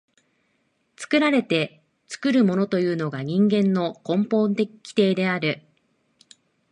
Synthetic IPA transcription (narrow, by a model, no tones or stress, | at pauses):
t͡sɨ̥kɯ̟ɾaɾe̞t̪e̞ | t͡sɨ̥kɯ̟ɾɯ̟mo̞no̞t̪o̞jɯ̟ːno̞ɡaɲ̟ĩŋɡẽ̞nːo̞kõ̞mpõ̞nd̪ekʲi̥t̪e̞ːd̪e̞aɾɯ̟